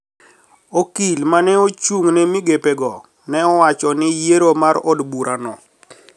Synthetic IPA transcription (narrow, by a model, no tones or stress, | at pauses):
okilmanɛot͡ʃuŋnɛmiɡepeɡɔ | nɛɔwat͡ʃɔnɪjeɾomaɾɔdbuɾʔanɔ